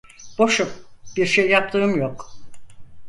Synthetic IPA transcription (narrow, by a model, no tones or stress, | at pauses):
b̥o̞ʃupb̥iɾʃejːap̚t̪ʰɯːɯmjok